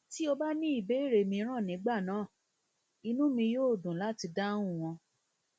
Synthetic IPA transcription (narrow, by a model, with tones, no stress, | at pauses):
ti˦o˧ba˦nĩ˦i˦˨be˨˦˨ɾe˨mĩ˧˦ɾ̃ã˦˨nĩ˨˦ɡ͡ba˦˨nãː˨˦˨ | i˧nũ˦mĩ˧joː˦˨dũ˨la˦ti˧dã˦ũ˦˨w̃ɔ̃˧